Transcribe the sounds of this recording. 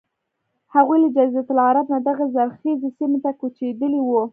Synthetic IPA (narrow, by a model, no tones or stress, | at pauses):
haɣujləd͡ʒazat̪ʊlaɾabnad̪aɣazaɾxizesimet̪akut͡ʃed̪əliwu